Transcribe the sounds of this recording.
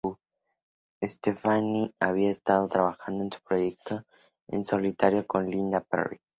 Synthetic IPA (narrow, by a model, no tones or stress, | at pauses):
u | est̪efaniaβiaest̪aðot̪ɾaβaxãnd̪oent̪u̥pɾojek̚t̪o | ḛ̃nsolit̪aɾjokõnlĩnd̪apḛrḭ